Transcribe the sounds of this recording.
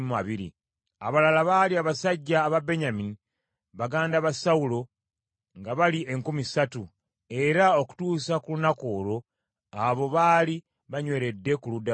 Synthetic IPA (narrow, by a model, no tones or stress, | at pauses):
maβiɾḭ | aβalalaβaliaβasaɟːaːβabe̞ɲamini | βaɡaːndaβasaulo̞ | ŋɡaβaliʔe̞ŋkumisatu | e̞ɾao̞ku̥tuːsakulunako̞ːɾo̞ | aβo̞βaːli | βaɲwe̞ɾe̞dːe̞kuluda